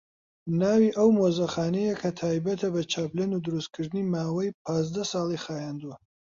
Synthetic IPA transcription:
naːwiːʔɐwmoːzɐxaːnejɐkʰɐt̪ʰaːjbɐt̪ʰɐbɐt͡ʃʰaːblɐnud̪ɨɾust̪̚kʰɨɾd̪ɨnimaːwɐjpʰaːzd̪ɐsɑːlˠixaːjaːnd̪uwɐ

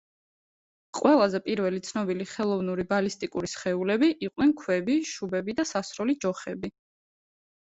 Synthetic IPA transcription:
qʼwɛlˠazɛpʼiɾvɛlit̪sʰnɔbiliχɛlˠɔvnuɾibalist̪ʼikʼuɾisχɛulɛbiʔiqʼnɛnkʰwɛbiʃubɛbid̪asasɾɔlid͡ʒɔχɛbi

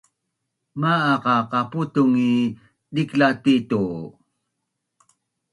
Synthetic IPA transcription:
maːqɑqɑputuŋi | diklatitu

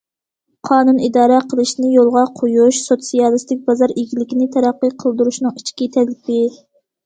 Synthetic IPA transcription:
qʰɑːnunid̪ɑːɾɛqʰəlˠɨʃnɨjolˠʁɑqʰojuʃsot̪sijɑlˠɨst̪ɪk̚ʲbɑzɑɾiɡʲilɪkʲinɪt̪ʰɛɾæqːəqʰəlˠd̪uɾuʃnɨŋit͡ʃʰkʲit̪ʰɛlɪpɪ

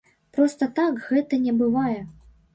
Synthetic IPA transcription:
pɾɔst̪ɐt̪akɣɛt̪ɐnʲɛbɨvajɛ

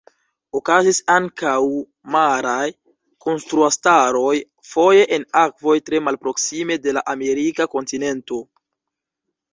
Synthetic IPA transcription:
okazisaŋkaw | maɾaj | ko̞nstɾuastaɾo̞j | fo̞je̞ʔenakvo̞jtɾe̞malpɾo̞ksime̞de̞laʔame̞ɾikako̞ntine̞nto̞

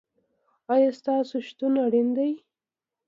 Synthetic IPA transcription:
ɑjɑst̪ɑsoʃt̪unaɽind̪aj

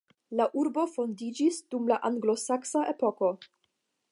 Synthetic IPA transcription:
laʔuɾbo̞fo̞ndid͡ʒisdumlaʔaŋɡlo̞saksaʔe̞po̞ko̞

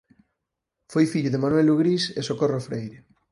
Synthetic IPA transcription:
fojfiʎʊðemanwɛluɣɾisesokorofɾejɾɪ

